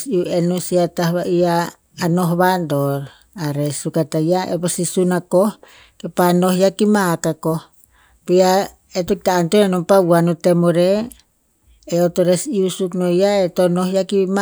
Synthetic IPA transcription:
siuenusiat̪ahβaʔiaː | noɦβandoɾ | aɾesukat̪ajaʔeposisunakoh | kepanohjakimakako | pija | et̪okit̪aːnt̪oɾenompawanot̪emoɾe | ot̪oɾesiusuknojaet̪onoɦjakima

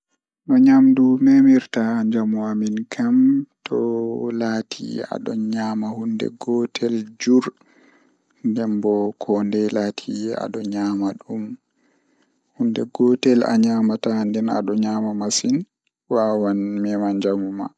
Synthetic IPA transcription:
nɔɲamdumɛmiɾtaɲd͡ʒamuaminkʰamtʰɔlaːtʰḭa̰ɗɔ̰nɲaːmahundɛ̰ɡɔtʰɛld͡ʒuɾ | ndɛmbɔkʰɔndɛlatʰia̰ɗɔɲaːmaɗum | hundɛɡɔtɛla̰ɲaːmatandɛna̰ɗɔɲaːmamasin | wawanmɛmaɲd͡ʒamuma̰

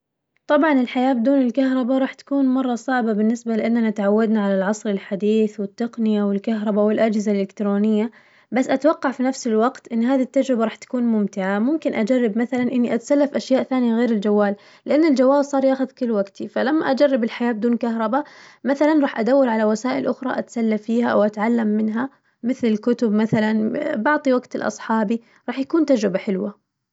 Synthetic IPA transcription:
t̪ˤɑbʕɑnɪlħajaːbd̪uːnɪlkaɦɾˤɑbaɾˤɑːħt̪ḁkuːnmɑrˤːɑsˤɑʕbabɪnːɪsbalɪʔanːanat̪aʕawːad̪naʕalalʕɑsˤɾɪlħad̪iːθwɪt̪ːaqnɪjawɪlkaɦɾˤɑbawɪlʔad͡ʒhɪzalʔɪkt̪ɾoːnɪjːa | basːʔat̪wɑqːɑʕfinafsɪlwɑqt̪ʔɪnːɦaːðit̪ːad͡ʒɾɪbaɾˤɑːħt̪ḁkuːnmʊmt̪ɪʕamʊmkɪnʔad͡ʒarːɪbmaθalanʔɪnːiʔat̪salːafʔaʃjaːʔθaːnɪjaɣeːɾɪld͡ʒawːaːl | lɪʔanːɪld͡ʒawːaːlsˤɑːɾˤjaːxʊðkɪlːwaɡt̪ʰifalamːaʔad͡ʒarˤːɪbɪlħajaːbd̪uːnkaɦɾˤɑbamaθalanɾˤɑːħʔad̪awːalʕalawasaːʔɪlʔʊxɾˤɑ̰ʔat̪salːafiːhaʔa̰wʔat̪ʕalːamːɪnɦa | mɪθlɪlkʊt̪ʊbmaθalanbɑʕt̪ˤiwaɡt̪ɪlʔɑ̰sˤħɑːbi | ɾˤɑːħjakuːnt̪ad͡ʒɾɪbaħɪlwa

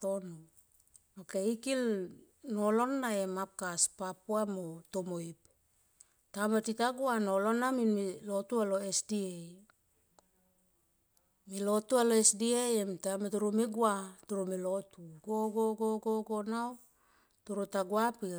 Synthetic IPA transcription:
tono | okeikil | no̞lo̞nːae̞map̚kaspapuamotomoip | tamatitaɡuanolo̞naminmilo̞tualo̞esdiej | milo̞tualoesdiejemtamatuɾumiɡuatuɾumilo̞tuɡoɡoɡoɡoɡonaw | tuɾutaɡuapi

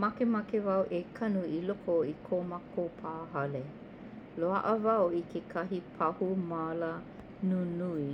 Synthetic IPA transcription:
mɐkemɐkevɐwʔekʰɐnuilokoikʰomakopʰaːɦɐle | loɐ̰ʔəvɐwikʰekʰɐɦipʰɐhumalə | nunui

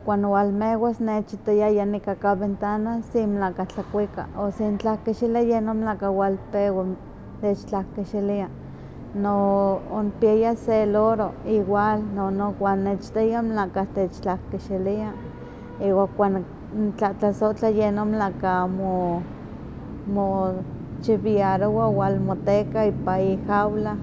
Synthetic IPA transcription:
kʷanwalmewasnet͡ʃit̪ojajanikakaβent̪anasimlakat͡ɬakʷika̰osint͡ɬahkiʃiliajenomlaʔkawalpewa | t̪et͡ʃt͡ɬahkiʃilia | noonpiajaseloɾoiwalnonokʷanːet͡ʃt̪ejamnakaht̪et͡ʃt͡ɬahkiʃilia | iwaŋkʷan | nt͡ɬat͡ɬasoʔt͡ɬajenomlakamo | mo | t͡ʃiβiaɾoawalmot̪ekaipaihawla

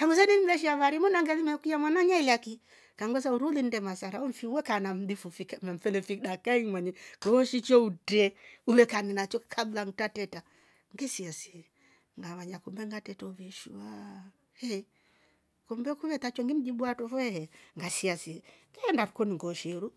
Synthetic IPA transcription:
kaŋɡus̬ɛnim̩lɛʃiaβaɾimunaŋɡɛlimɛkijamwanaɲailaki | kaŋɡwɛs̬auɾulin̩dɛmasaɾaɔm̩fiuwɛkanam̩difufikamɛm̩fɛlɛfiɗakaimwaɲɛkɔːʃit͡ʃɔutɛuβɛkanɛnat͡ʃɔkʰablaŋtatɛta | ŋɡɛsiasi | ŋɡaβaɲakumbɛŋɡatɛtɔuviʃua | hɛ | kɔmbɛkuβɛt̪at͡ʃɔŋɡim̩d͡ʒiɓuatɔfɔɛhɛŋɡasiasiɛŋɡɛɛndaɾukɔniŋɡɔʃɛɾu

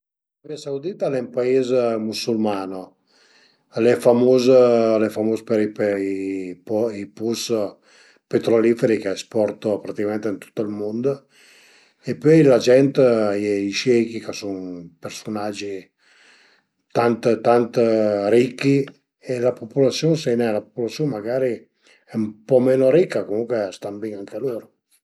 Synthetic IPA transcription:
aviasawd̪it̪alɛmpaezmusulmaːno | lɛfamozlɛfamoːspeɾip | pɔipus | pet̪ɾoliːfeɾikɛspɔrt̪opɾat̪ikamɛnt̪eint̪u̥t̪ːoilmond̪o | epːɔjlad͡ʒɛnt̪ɛiʃɛkikesuŋpersonad͡ʒːi | t̪ant̪t̪ant̪ɾikːi | elapopulat̪sːjonsenɛlapo̥pulat̪sːjonmaɡaːɾi | ɛumpɔmeːnoɾikːakomuŋkwest̪ambiŋaŋkʰeloːɾo

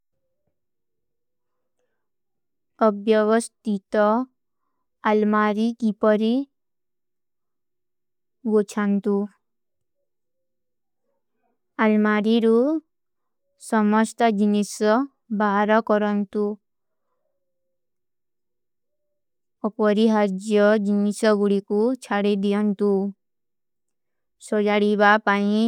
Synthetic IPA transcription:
ɔbjɔʋɔst̪it̪ɔ | almaɾikipɔɾi | ɡot͡ʃʰant̪u | almaɾiɾu | sɔmɔst̪ɔd͡ʒinisɔ | baɦaɾɔkɔɾɔnt̪u | ɔpɔɾiɦaɾd͡ʒjɔd͡ʒinisɔɡuɽikut͡ʃʰaɽid̪ijɔnt̪u | sɔd͡ʒaɽibapaĩ

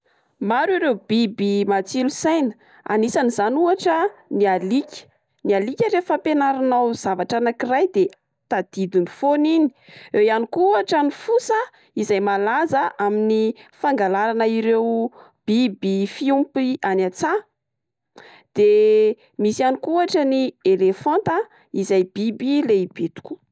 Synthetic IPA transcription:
maɾiɾewbibimat͡silusajnə̥ | a̰nisanizanuaʈ͡ʂənialikʲə̥ | nialikʲəɾefəpenaɾinawz̥avaʈ͡ʂanakirajd̪e | t̪ad̪̥id̪inifonini̥ewjanikuaʈ͡ʂanifusə | izajmalazəʔaminifaŋɡalaɾanəiɾew | b̥ibifiumpianat͡sa | d̪̥e | misianikuaʈ͡ʂənielefɔnt̪ə | izajb̥ibileib̥et̪u̥kʲu̥

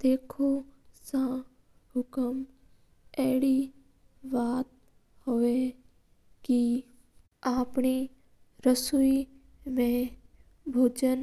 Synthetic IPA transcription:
d̪̥eːkʰosã | hʊkəm | ɛːɽi | ʋaːt̪̚ | hoe | ki | aːpni | ɾəsui | mẽ | bʱoːd͡ʒən

